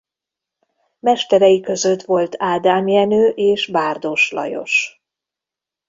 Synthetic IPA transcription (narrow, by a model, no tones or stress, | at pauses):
mɛʃt̪ɛɾɛjikø̞zø̞t̪ʋo̞lt̪ʰaːd̪aːmjɛnøːʔeːʃbaːrd̪o̞ʃlɒ̰jo̞̰ʃ